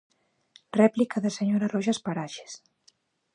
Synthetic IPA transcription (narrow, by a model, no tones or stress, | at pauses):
rɛplikaðeseɲoɾarɔʒaspaɾaʃe̥s